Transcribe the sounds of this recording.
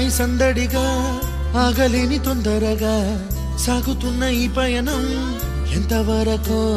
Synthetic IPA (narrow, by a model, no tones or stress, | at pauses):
isɐnd̪ɐɽiɡɐ | aːɡɐlinit̪ond̪ɐɾɐɡɐ | saːɡut̪unːɐiːpɐjɐnɐm | ent̪ɐʋɐɾɐkɐ